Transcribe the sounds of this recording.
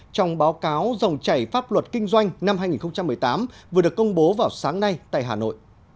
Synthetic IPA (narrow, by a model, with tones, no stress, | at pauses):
t͡ɕɔ˧wŋ͡mɓaː˨˦wkaː˨˦wzə˨˩wŋ͡mt͡ɕa˧˩jfaː˦˥p̚lwə˨˩t̚kï˧ŋ̟zwa˧jŋ̟na˧mhɦaː˧jŋi˨˩nxə˧wŋ͡mt͡ɕa˧mːɨ˨˩əjt̪aː˨˦mvɨ˨˩əɗɨ˨˩əkə˧wŋ͡mɓo˨˦vaː˨˩wsaː˨˦ŋna˧jt̪a̰ː˧˨ɦaː˨˩no̰˧˨jʔ